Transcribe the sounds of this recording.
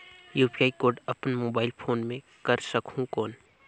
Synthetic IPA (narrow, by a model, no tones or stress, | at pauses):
juːpiaːikoːɾɖɐpnmoːbaːɪlpʰoːnmẽ | kɐɾsəkʰũkɔːn